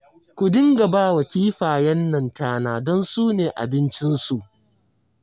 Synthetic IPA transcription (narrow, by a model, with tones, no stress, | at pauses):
kʷʊ˨dɪ˦ŋɡɐ˨baː˦wɐ˨kʲiː˦ɸaː˨jɐ˦nːɐ˨ntaː˦naː˦˨dɔ˦nsuː˦neː˨ʔa̰˨bɪ˦nt͡ʃɪ˦nsu˨ʔ